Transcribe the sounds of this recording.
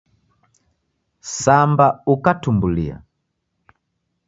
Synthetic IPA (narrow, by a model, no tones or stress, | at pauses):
sambaukatumbulḭa̰